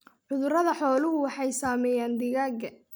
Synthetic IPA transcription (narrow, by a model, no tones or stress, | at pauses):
ʕʊðʊrɐðɐħɔːlʊɦʊwɑħɑjsaːmɛːjaːnd̪ɪɣaːɡɐ